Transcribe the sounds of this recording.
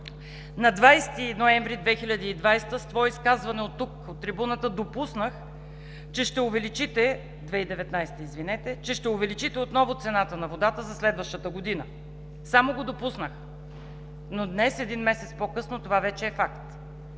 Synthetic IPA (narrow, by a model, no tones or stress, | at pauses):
nɐd̪vajst̪inoɛɱvɾid̪vɛxilʲəd̪iːd̪vajst̪əst̪vɔiskazvɐnɛot̪ːukot̪ːɾibunət̪əd̪opusnəx | t͡ʃɛʃt̪ɛʊvɛlit͡ʃit̪ɛ | d̪vɛid̪ɛvɛt̪najst̪əizvinɛt̪ɛt͡ʃɛʃt̪ɛʊvɛlit͡ʃit̪ɛot̪nɔvʊt̪sɛnat̪ənɐvod̪at̪əzɐslɛd̪vəʃt̪ət̪əɡod̪inə | samoɡod̪opusnəx | nod̪nɛsɛd̪inmɛsɛt̪spokɤsnot̪ovavɛt͡ʃɛːfakt̪